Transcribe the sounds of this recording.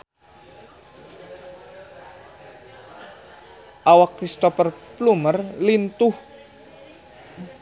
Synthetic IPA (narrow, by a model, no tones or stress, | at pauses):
ʔawakːɾist̪ɔfərplumərlint̪ʊh